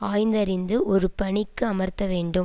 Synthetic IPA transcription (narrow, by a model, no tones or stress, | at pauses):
aːjnd̪ɐɾɪnd̪ɯʔɔɾɯpɐɳɪkːɯɐmɐɾt̪ːɐʋeːɳɖɯm